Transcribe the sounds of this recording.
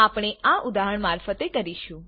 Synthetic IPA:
apɽ̃eʔaʔʊd̪aɦəɳmaɾfət̪ekəɾiʃũ

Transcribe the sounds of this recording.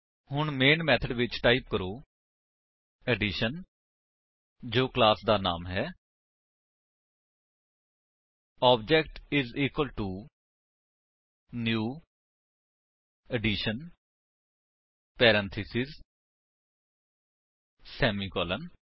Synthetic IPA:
hʊɳmeːnmɛːt̪ʰəɖʋɪt͡ʃʈaːip̚kəɾoː | ɛɖiːʃən | d͡ʒoːklaːsd̪aːnaːmɦɛː | ɔːb̚d͡ʒɛkʈɪziːkwəlʈuː | njuː | əɖiːʃən | pɛːɾɛ̃nt̪ʰɪsɪz | sɛːmiːkɔːlən

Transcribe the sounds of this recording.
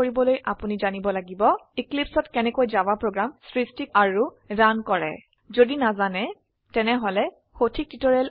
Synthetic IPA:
oɹibɔlojʔapunizanibɔlaɡibɔiklipsɔtkɛnɛkojzawapɹoɡɹamsɹistikaɹu | dankɔɹɛ̰ | zodinazanɛ | tɛnɛɦolɛ | hotʰik̚titɔɹɛl

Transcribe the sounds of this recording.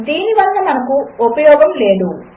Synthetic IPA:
d̪iːniʋɐnːɐmɐnɐkuupɐjɔːɡɐmle̞ːd̪u

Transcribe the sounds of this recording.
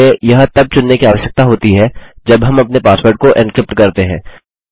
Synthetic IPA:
ẽjɐɦt̪ɐb̚t͡ʃʊnːekiaːʋəʃjək̚t̪aɦoːt̪iɦɛd͡ʒɐbɦɐmɐpnepaːspoːɾʈ̚koʔɪ̃nkɾɪp̚ʈkɐɾt̪eɦɛ̃ː

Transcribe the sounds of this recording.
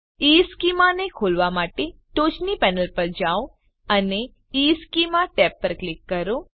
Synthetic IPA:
iskimanekʰolʋamaʈeʈot͡ʃnipɛnəlpəɾd͡ʒao | əne | iskimãʈɛpːəɾklɪkːəɾo

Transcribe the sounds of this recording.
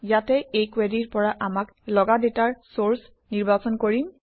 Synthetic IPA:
jatɛejkwɛdiɹpɔɹaʔamak | lɔɡadetaɹsoɹs | niɹbasɔnkoɹim

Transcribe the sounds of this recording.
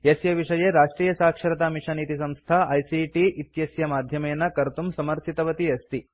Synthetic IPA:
esjɐʋiʂɐjeɾaːʂʈɾiːjɐsaːkʂɐɾɐt̪aːmiʂɐniːt̪isɐmst̪ʰɐɐjsiʈiʔit̪jɐsjɐmaːd̪ʱjɐmɐjɐnːɐkɐɾt̪umsɐmɐɾt̪ʰit̪ɐʋɐt̪iɐst̪i

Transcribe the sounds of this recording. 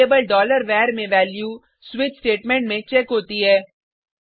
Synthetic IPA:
eːbəlɖɔːləɾʋɛːɾmẽʋɛːlju | swɪt͡ʃsʈeːʈmɛ̃ɳʈmẽt͡ʃɛkɦoːt̪iɦɛː

